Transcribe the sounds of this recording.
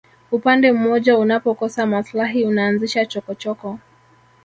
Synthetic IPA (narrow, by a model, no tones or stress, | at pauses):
upandɛm̩mɔʄaunapɔkɔsamaslaɦiunaːnziʃat͡ʃɔkɔt͡ʃɔkɔ